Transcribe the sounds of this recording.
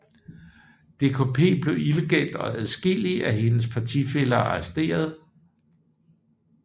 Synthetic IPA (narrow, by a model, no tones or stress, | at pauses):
d̥e̝kʰopʰe̝̰ːb̥le̝iləɡ̥el̰d̥ɒ̽æðˠsɡ̥eliæɦe̝nəs̬pʰɑ̈t͡sʰife̝lɐɑ̈ɐsd̥e̝̰ːɐð̞̩ˠ